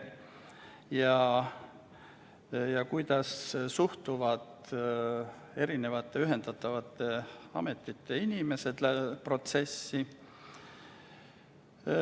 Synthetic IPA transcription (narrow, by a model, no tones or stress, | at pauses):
jɑ | jɑkujd̪ɑssuht̪uvɑd̪ | e̞ɾine̞vɑt̪ˑːe̞yɦe̞nd̪ɑt̪ːˑɑvɑt̪ːe̞ɑ̰me̞t̪ːˑit̪ːe̞inime̞se̞d̪̥læpro̞t̪se̞sːi